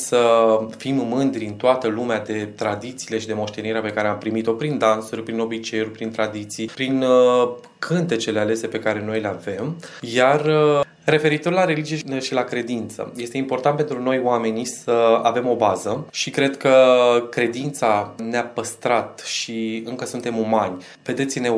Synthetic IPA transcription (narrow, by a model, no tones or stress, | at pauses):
səfimmɨnd̪ɾiɨnt̪oat̪əlumead̪e̞t̪ɾad̪it̪siːle̞ʃid̪e̞mo̞ʃt̪e̞niɾeape̞kaɾeampɾimit̪o̞pɾind̪ansuɾʲpɾino̞bit͡ʃe̞jurʲpɾint̪ɾad̪it̪sijpɾin | kʰɨnt̪e̞t͡ʃe̞le̞ale̞se̞pe̞kaɾe̞no̞jleave̞mjarː | e̞fe̞ɾit̪o̞rlaɾe̞lid͡ʒije̞ʃilakɾe̞d̪int̪sə̰je̞st̪e̞impo̞rt̪ant̪pe̞nt̪ɾuno̞joame̞nisəa̰ve̞mo̞bazəʃikɾe̞d̪kəkɾe̞d̪int̪saneapəst̪ɾat̪ʃiɨŋkəsunt̪e̞mumanʲ | ve̞d̪et̪sʲine̞